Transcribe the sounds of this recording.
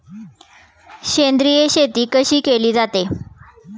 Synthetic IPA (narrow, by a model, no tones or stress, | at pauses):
ɕend̪ɾijeɕet̪iːkəɕiːkeliːd͡zat̪e